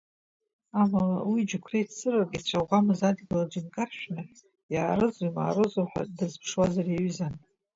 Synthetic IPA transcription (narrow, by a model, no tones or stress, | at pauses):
amalawid͡ʒukʷʰrejtt͡sɨrakʼat͡ɕʷʰaʁʷamɨzadɡʲɪlad͡ʒinkʼarʃᶣnɨ | jaːɾɨzuma̰ːrɨzuħʷᶣa̰dɨzpʰʂwazaraɥzan